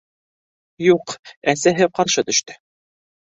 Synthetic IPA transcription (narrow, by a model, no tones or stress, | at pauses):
juqæsæɦɘqɑɾʃɤt̪ɵ̆ʃt̪ɵ